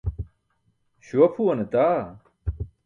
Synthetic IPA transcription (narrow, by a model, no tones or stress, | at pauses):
ɕuɐpʰuɐnet̪aː